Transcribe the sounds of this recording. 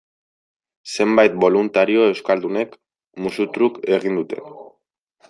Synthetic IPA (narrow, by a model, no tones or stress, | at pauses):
se̞mbajt̪̚bo̞lunt̪aɾio̞e̞wskald̪une̞k | musut̪ɾuke̞ɣ̞ind̪ut̪e̞̰n